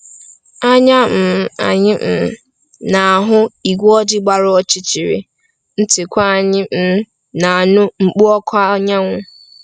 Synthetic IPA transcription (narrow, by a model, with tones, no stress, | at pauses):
a˦ɲa˦m̩˨˦˨a̰˨ɲɪ˦m̩˨˦ | na˨a˨ɦʊ˦i˨ɡʷɔ˦dɪ˦ɡ͡ba˨ɾʊ˦ɔ˦t͡ʃɪ˦t͡ʃi˨ɾɪ̰˨ | n̩˦tɪ˨kʷa˦a˨ɲɪ˦m̩˦ | na˨nʊ˦ŋ͡m̩˨k͡pu˦ɔ˦kʰa˦ɲa˦ŋʷʊ˦